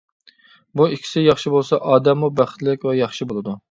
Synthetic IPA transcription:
buikʲʰi̥sɪjɑχʃibolˠsɑʔɑːd̪ɛmːubæχt̪lɪkʲvɛjɑχʃibolˠɨd̪u

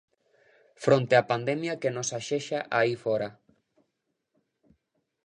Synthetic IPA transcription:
fɾõnt̪eapand̪ɛmjakenosaʃeʃaʔaifɔɾa

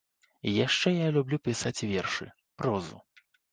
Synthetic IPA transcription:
jaʂt͡ʂɛjalʲublʲupʲisat͡sʲvʲɛrʂɨ̰ | pɾɔzṵ

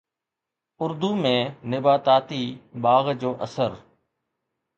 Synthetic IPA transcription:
ʊɾd̪uːmẽːnɪbaːt̪aːt̪iːɓaːɣd͡ʒoːʔəsəɾ

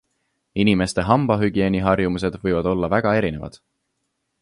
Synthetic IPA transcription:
inime̞st̪e̞ɦɑmb̥ɑɦyɡ̥ie̞ːniɦɑrjumus̬e̞d̪̥vɤjvɑd̪̥o̞lːɑvæɡ̥ɑe̞ɾine̞vɑ̰d̪̥

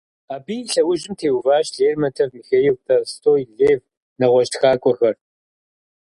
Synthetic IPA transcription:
aːbiːɬɐwʊʒɪmtʰeːwvaːʃɮeːrmɐtʰɐvmxeːjɪwtʰʼɐstʰʼoːjɮeːv | nɐʁʷɔʃtxaːkʷʼɔxɐr

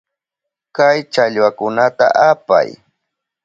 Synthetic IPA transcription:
kajt͡ʃaʎwakʊnat̪a̰ʔapa̰j

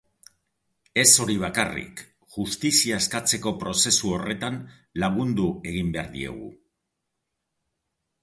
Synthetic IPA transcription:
e̞so̞ɾiβ̞akarḭk | ʝust̪isiaeskat͡se̞ko̞pɾo̞se̞suo̞re̞t̪an | laɣ̞und̪ue̞ɣimbe̞a̰ɾðie̞̰ɣ̞ṵ

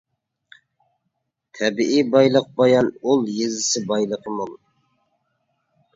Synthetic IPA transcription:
t̪ʰɛbiʔibɑjlˠəq̚bɑjɑnulˠjezɪsɪbɑjlˠəqʰəmʊlˠ

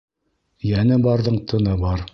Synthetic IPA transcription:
jænɘbɑɾðɤɴt̪ʰɤ̆nɤbɑɾ

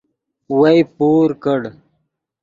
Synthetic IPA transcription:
wajpuːɾkəɽ

